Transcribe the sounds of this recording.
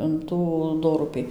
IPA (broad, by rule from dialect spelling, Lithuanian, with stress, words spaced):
ɪn ˈtuː ˈdoːrʊpʲiː